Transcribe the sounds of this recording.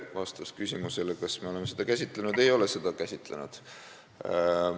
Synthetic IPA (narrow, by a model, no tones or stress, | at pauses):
vɑst̪ɑskysʲimuselkɑsmeo̞le̞mːesed̪̥ɑkæsʲit̪ˑlenud̪̥e̞jo̞le̞se̞d̪ɑkæsʲit̪ˑlḛnud̪̥